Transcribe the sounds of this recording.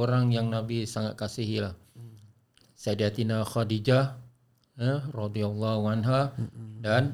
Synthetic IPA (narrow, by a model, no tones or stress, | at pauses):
oɾaŋjaŋnabisaŋat̪̚kasiɦilah | sadiat̪inaxadid͡ʒa | ərɑd̪ialːahuʕanɦadan